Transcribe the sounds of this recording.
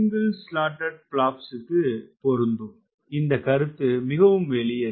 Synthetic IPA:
ŋɡɯlsʈaːʈːɐɖ̚pɭaːpsɪkːɯpɔɾɯnd̪ɯ | ɪnd̪ɐkɐɾɯt̪ːɯmɪɣɐʋɯmʋɛɭɪjɐ

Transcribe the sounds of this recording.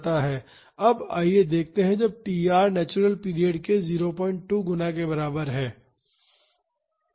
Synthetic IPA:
t̪aɦɛː | ɐba̰ːied̪eːk̚ʰt̪eɦɛ̃d͡ʒɐb̚piːaːɾnɛːt͡ʃʊɾəlpiːɾijeːɖkeziːɾopɔ̃ːɪ̃ɳʈʈːuːɡʊnãkebɐɾaːbəɾɦɛ̃ː

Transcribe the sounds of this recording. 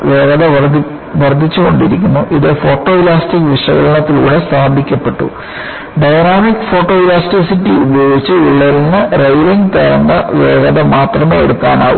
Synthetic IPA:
ʋeːɡɐðɐ | ʋɐrd̪ʱːit͡ɕːuɣo̞ɳɖiɾikʲːunːuʔiðɨfo̞ːʈːo̞ːilaːsʈikːʋiʂɐ̰ɣɐɭɐɳɐt̪ːiluːɽe̞st̪aːd̪ʱikʲːɐpːe̞ʈːṵ | ɖɐjnaːmikːfo̞ːʈːo̞ːilaːsʈisitːiubɐjo̞ːɡit͡ɕːɨiɭːɐlnɨrejliŋɡt̪eɾɐnːɐʋeːɡɐðɐmaːt̪rɐme̞ːeɽukːaːna̰ːwṵ

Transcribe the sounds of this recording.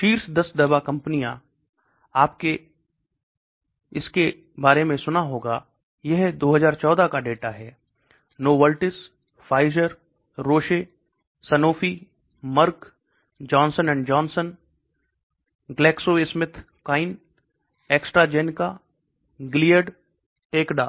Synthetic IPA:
ʃiːɾsd̪ɐsd̪ɐbakɐ̃mpnijã | aːpke | ɪske | baːɾemẽsʊnaɦoːɡaː | jɛɦd̪oːɦəzaːɾt͡ʃɔːd̪akaɖeːʈaɦɛː | noːʋəlʈɪs | faːɪzəɾ | ɾoːʃe | sɐnoːfi | mɐɾk | d͡ʒɔːnsənɛ̃ːɳɖd͡ʒɔːnsən | ɡlɛːksoesmɪt̪ʰ | kaːɪn | eːksʈɾad͡ʒeːnka | ɡɪlijəɖ | ʈeːkɖaː

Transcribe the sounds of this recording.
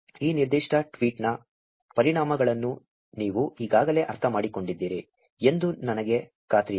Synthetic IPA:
iːniɾd̪iʂʈɐʈʋiːʈnɐ | pɐɾiɳaːmɐɡɐɭɐnːu | niːʋuiːɡaːɡɐle̞ːʔɐɾt̪ʰɐmaːɽiko̞ɳɖid̪ːiːɾi | e̞nd̪unɐnɐɡe̞ | kaːt̪ɾi

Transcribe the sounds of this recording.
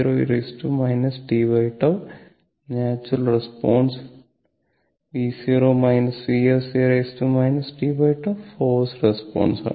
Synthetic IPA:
ɾoːḭɾesʈumɐjnɐsʈiːbɐjʈɐ | naːt͡ʃuɾɐlɾespɔːns | ʋiːsiɾoːmɐjnɐsʋiːɐsiːɾesʈumɐjnɐsʈiːbɐjʈɐʋpʰoːsɾespɔ̰ːnsa̰

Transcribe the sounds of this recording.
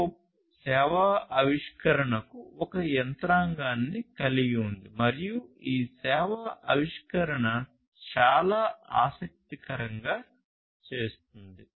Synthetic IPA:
o | sɛːʋɐɐʋiʂkɐɾɐɳɐkuɔkɐjɛnt̪ɾaːŋɡaːnːikɐliɡiund̪imɐɾijuiːsɛːʋɐɐʋiʂkɐɾɐɳɐ | t͡ʃaːlaːa̰ːsɐk̚t̪ikɐɾɐŋɡaː | t͡ʃe̞ːst̪und̪i

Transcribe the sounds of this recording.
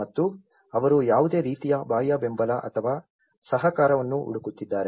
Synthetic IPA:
ɐt̪ːu | ɐʋɐɾujaːʋud̪e̞ːɾiːt̪ijɐbaːjɐbe̞mbɐlɐʔɐ̰t̪ʰɐʋaː | sɐɦɐkaːɾɐʋɐnːuʔṵɽukut̪ːid̪ːaːɾe

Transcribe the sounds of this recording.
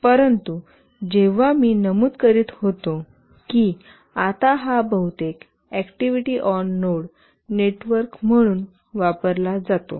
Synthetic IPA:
pəɾənt̪u | d͡ʑeʋ̤amiːnəmuːd̪kəɾiːt̪hot̪o | ki | at̪aɦabəɦut̪ek | ɛkʈiʋiʈiːʔɔnːoɽ | neʈʋəɾkm̤əɽ̃uːn | ʋapəɾlad͡zat̪o̰

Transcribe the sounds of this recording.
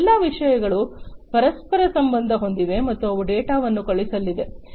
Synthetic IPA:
lːɐːʋiʂɐjɐɡɐɭupɐɾɐspɐɾɐsɐmbɐnd̪ʱɐɦo̞nd̪iʋe̞mɐt̪ːuɐʋuɖɛːʈaːʋɐnːukɐɭisɐlːid̪e̞

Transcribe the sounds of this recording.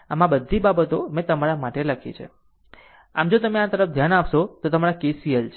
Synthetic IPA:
amãbəd̪ʱːibabət̪omẽt̪əmaɾamaʈeləkʰit͡ʃʰḛ | a̰md͡ʒot̪əmẽat̪əɾəfd̪ʱjanapʃot̪ot̪əmaɾakesiəlt͡ʃʰ

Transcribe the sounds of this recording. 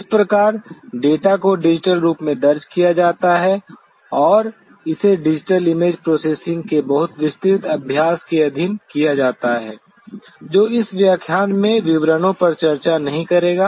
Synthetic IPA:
ɪspɾɐkaːɾɖeːʈakoɖɪd͡ʒɪʈəlɾuːpmẽd̪ɐɾd͡ʒkijad͡ʒaːt̪aɦɛ | ɔːɾ | ɪseɖɪd͡ʒɪʈəlɪmeːd͡ʒpɾoːseːsɪ̃ŋɡ̚kebɐɦʊt̪ʋɪst̪ɪt̪ɐbʱjaːskeɐd̪ʱɪnkijad͡ʒaːt̪aɦɛː | d͡ʒoːɪsʋjaːkʰjaːnmẽʋɪʋɾənõpɐɾt͡ʃɐɾt͡ʃanɐɦĩkɐɾeːɡaː

